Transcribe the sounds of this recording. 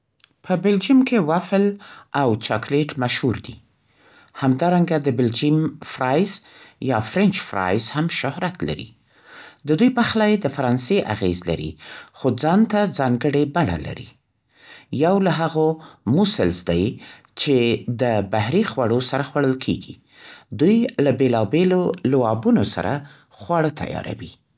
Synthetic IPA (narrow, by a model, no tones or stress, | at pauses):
pʰəbɪld͡ʒimkʰewaflʔawt͡ʃɑkleʈmaʃhuɾd̪i | hamd̪ɑɾaŋɡad̪əbɪld͡ʒimfɾɑjzjɑfɾɪnt͡ʃfɾɑ̰jzhamʃʊhɾat̪la̰ɾḭ | d̪əd̪ujpaxlɑjed̪əfaɾɑnseʔa̰ɣezla̰ɾḭxod͡zɑnt̪ad͡zɑŋɡəɽebaɽa̰la̰ɾḭ | jawlaɦaɣomusəlzd̪aj | t͡ʃed̪əbaɦɾixwaɽosaɾaxwaɽəlkʰḛɡi | d̪ujlabelɑbelolwɑbunosa̰ɾa̰ | xwɑɽət̪ʰa̰jɑ̰ɾa̰wi